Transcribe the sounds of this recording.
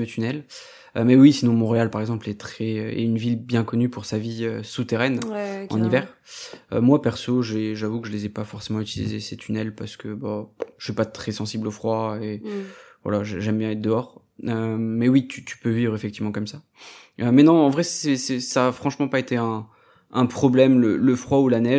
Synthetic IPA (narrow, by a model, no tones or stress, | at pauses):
ət̪ʰynɛl | ømɛwisinɔ̃mɔ̃ʁealpaʁɛɡzɑ̃plɛt̪χɛøɛ̰ynvilbjɛ̃kɔnypuʁsaviøsut̪eʁɛnɑ̰̃nivɛːʁ | ø̰mwapɛʁsoʒeʒavukəʒəlezɛpafɔʁsemɑ̃yt̪ilḭzḛset̪ʰynɛlpaʁsə̥kʰəbaʃipat̪χɛsɑ̃siblofχwaevwa̰laʒʒɛmbjɛ̃ɛt̪̚d̪əɔʁ | ømɛwit̪ʰyt̪y̥pøvivʁefɛkt̪ivmɑ̃kɔmsa | ømɛnɔ̃ːvʁɛsɛsɛsaːfχɑ̃ʃmɑ̃paet̪eɛ̃ | ɛ̃pχɔblɛmlələfχwaulanɛ